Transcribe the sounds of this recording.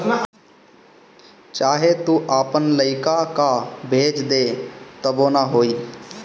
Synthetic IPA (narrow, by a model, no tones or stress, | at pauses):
t͡ʃaːɦet̪uʔaːpənləɪkakabʱeːd͡ʒd̪et̪əboːnaɦoːiː